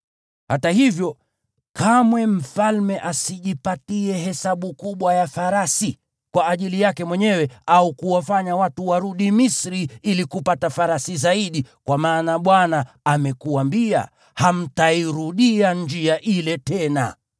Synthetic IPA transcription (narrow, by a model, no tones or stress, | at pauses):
hatahivjɔ | kamwɛm̩falmɛʔasiʄipatiɛɦɛsaɓukuɓwajafaɾasi | kwaːʄilijakɛmwɛɲɛwɛaukuwafaɲawatuwaɾuɗimisɾiilikupatafaɾasizaiɗikwamaːnaɓwanaː | mɛkuambia̰ | ham̩taiɾuɗiaɲd͡ʒiaʔilɛtɛna̰